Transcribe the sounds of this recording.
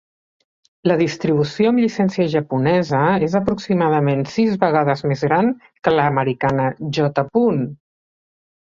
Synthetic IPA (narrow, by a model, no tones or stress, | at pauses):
ləðist̪ɾiβ̞usjoəmʎisɛnsiəʒəpunɛzəezəpɾuksimaðəmensizβəɣaðəzmezɣɾan | kələːməɾikanəʒɔt̪əpun